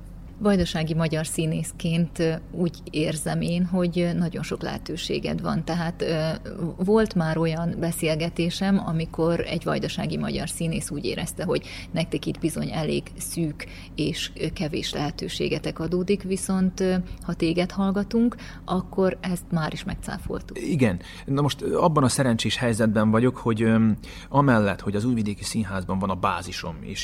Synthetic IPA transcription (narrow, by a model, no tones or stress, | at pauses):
vɒjd̪oʃaːɡimɒɟɒrsiːneːskeːnt̪uːɟ | eːrzɛmeːnɦo̞ɟnɒɟo̞nʃo̞klɛ̰ɦɛ̰t̪øːʃḛːɡɛ̰d̪ʋɒ̰nt̪ɛɦaːt̪ | vo̞lt̪maːɾo̞jɒnbɛseːlɡɛt̪eːʃɛmɒ̰miko̞ɾɛ̰ɟʋɒ̰jd̪oʃa̰ːɡimɒ̰ɟɒ̰rsiːneːsuːɟḛːɾɛst̪ɛɦo̞ɟ | nɛk̚t̪ɛkid̪bizo̞ɲɛleːɡ | syːk | eːʃkɛvḛːʃlɛɦɛt̪ø̰ːʃḛːɡɛt̪ɛkɒd̪oːd̪ikʋiso̞nt̪hɒt̪eːɡɛt̪hɒlɡɒt̪uŋk | ɒkːo̞ɾɛst̪maːɾiʃmɛk̚t̪sa̰ːfo̰lt̪u̥iɡɛn | nɒmo̞ʃt̪ɒbːɒnɒsɛɾɛnt͡ʃeːʃhɛjzɛd̪̚bɛɱvɒɟo̞kho̞ɟ | ɒmɛlːɛt̪ho̞ɟɒzuːjvid̪eːkisiːnɦaːzbɒɱvɒnɒbaːziʃo̞̰mḛːʃ